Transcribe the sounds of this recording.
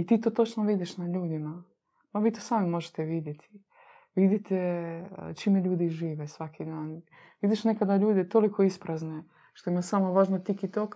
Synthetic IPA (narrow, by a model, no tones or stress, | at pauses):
it̪iːt̪oːt̪o̞t͡ʃnoʋid̪iʃnaʎuːd̪ima | maʋiːt̪osaːmimo̞ʒet̪eʋid̪jet̪ʰi̥ | ʋid̪it̪ḛ | t͡ʃimeʎuːd̪iʒiːʋesʋakʰid̪aːn | ʋid̪iʃnekad̪aʎuːd̪et̪o̞likʰo̞ispɾazne | ʃt̪o̞imasamoʋaːʒnot̪ikit̪ok